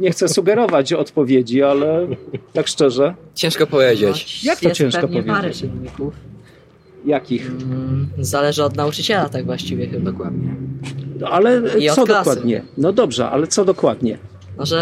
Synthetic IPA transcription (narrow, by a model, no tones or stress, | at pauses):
ɲɛxt̪sɛsuɡɛɾɔvat͡ɕɔt̪pɔvʲjed͡ʑialɛt̪akʂt͡ʂɛʐɛt͡ɕɛ̃ʂkɔpɔvʲjed͡ʑet͡ɕjakt̪ɔt͡ɕɛ̃w̃ʂkɔpɔvjeɾnɲikuf | jakʲix | zalɛʐɘɔd̪naut͡ʂɨt͡ɕɛlat̪aɡvwaɕt͡ɕivʲjɛd̪ɔkwɛmdɲɛ | alɛɔd̪ɔkwad̪ɲɛ̰nɔd̪ɔbʐɛ̰ʔa̰lɛt̪sɔd̪ɔkwad̪ɲɛ̰ | mɔʐɛ